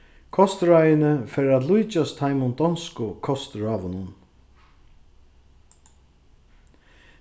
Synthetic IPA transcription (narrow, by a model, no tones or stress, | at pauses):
kʰɔst̪ɾajɪnɪfɛːɾat̪lujt͡ʃast̪ʰajmʊnd̪ɔnskʊkʰɔst̪ɾaːʋʊnʊn